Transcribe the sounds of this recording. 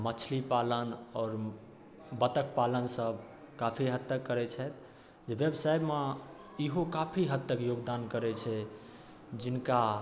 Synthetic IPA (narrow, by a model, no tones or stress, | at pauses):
mət͡ʃʰlipalənɔːɾ | bət̪ək̚palənsəb | kapʰiɦət̪ːəkːəɾɛt͡ʃʰɛt̪̚ʰ | d͡ʒeʋjəbsajbme | iɦokapʰiɦət̪ːəkjoɡd̪ankəɾɛt͡ʃʰɛ | d͡ʒinka